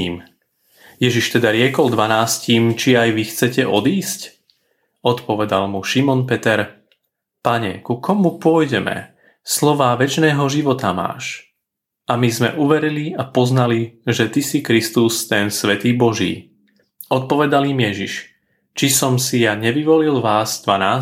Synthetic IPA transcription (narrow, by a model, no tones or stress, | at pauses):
m | jɛʒiʃt̪ɛd̪aɾɪɛkɔld̪ʋanaːsciːmt͡ʃiajʋixt͡sɛcɛʔɔd̪iːsc | ɔt̪pɔʋɛd̪almuʃimɔnpɛt̪ɛɾ | paɲɛ̰kukɔmupʊɔjɟɛmɛ̰ | slɔʋaːʋɛt͡ʃnɛːɦɔʒiʋɔt̪ama̰ːʃ | amizmɛ̰ʔuʋɛɾiliapɔznaliʒɛt̪isikɾist̪ust̪ɛnsʋɛt̪iːbɔʒḭː | ɔt̪̚pɔʋɛd̪alimjɛʒiʃ | t͡ʃisɔmsijaɲɛʋiʋɔlilʋaːzd̪ʋanaː